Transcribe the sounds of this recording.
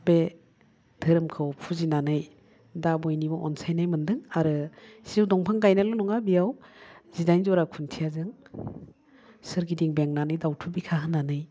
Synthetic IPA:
be | dʰɯɾɯmkʰɯwpʰuzinanɯj | dabɔjnibɔʔɔ̰nsajnajmɯndɯŋaɾɯsiwdɔŋpʰaŋɡajnalɔnɔŋabijawzidajnzɔɾakʰuntʰijazɯŋ | sɯɾɡidiŋbeŋnanɯjdawtʰubikʰaɦɯnːanɯj

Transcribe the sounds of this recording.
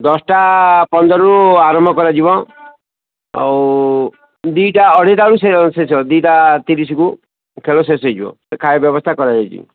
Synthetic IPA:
d̪ɔsʈapɔnd̪ɔɾɔuaɾɔmbʱɔkɔɾad͡ʒibɔ | a̰w | d̪ujʈaɔɽ̤it̪ausesesɔd̪iʈat̪iɾis̬iku | kʰelɔs̬esɔjd͡ʒibɔ̰̃ | kʰajɔbjɔbɔst̪ʰakɔɾad͡ʒɔjt͡ʃʰḭ

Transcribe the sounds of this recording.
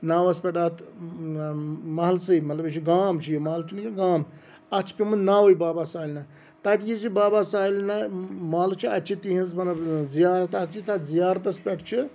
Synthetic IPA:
naːwɐspʲeʈaːt̪ | mɐɦɐlsɨjmɐt̪lɐbit͡ʃʰiɡaːmt͡ʃʰijimaːlt͡ʃʰinikiɡaːm | ɐt͡ʃʰpʲimunnaːwojbaːbasaːilʲna | t̪ɐt̪jit͡ʃʰibaːbaːsaːilnamaːlt͡ʃʰiɐt͡ʃʰit̪iɦĩnzmɐt̪lɐbzijaːɾɐt̪at͡ʃʰit̪ɐt̪zijaːɾt̪ɐspʲeʈt͡ʃʰi

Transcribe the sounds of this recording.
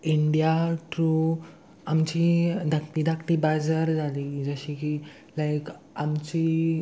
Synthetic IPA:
iɳɖijaʈɾu | amt͡ɕid̪ʱək̚ʈ̪id̪ʱakʈibad͡zəɾd͡zʱalid͡zəɕiki | lajk | amt͡ɕiː

